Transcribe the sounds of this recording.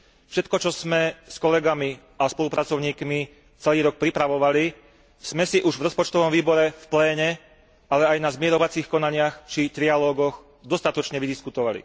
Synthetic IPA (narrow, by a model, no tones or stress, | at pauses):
fʃɛt̪kɔt͡ʃɔz̥mɛskɔlɛɡami | aspɔlupɾʔat͡sɔʊɲiːkmi | t͡sɛliːɾɔk̚pɾipɾaʋɔʋali | z̥mɛsiʔuʒvɾɔspɔt͡ʃt̪ɔʋɔmʋiːbɔɾɛfplɛːɲɛ | alɛajnazmɪɛɾɔʋat͡siːxkɔnaɲɪaxt͡ʃit̪ɾialɔːɡɔɣ | d̪ɔst̪at̪ɔt͡ʃɲɛʋid̪iskut̪ɔʋalḭ